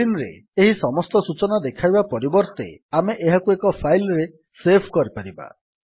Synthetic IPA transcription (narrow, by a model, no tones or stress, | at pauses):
inɾḛ | eɦisɔmɔst̪ɔsut͡ʃɔnad̪ekʰajbapɔɾibɔɾt̪ḛameʔeɦakuekɔpʰajlɾe | sepʰkɔɾipaɾiba̰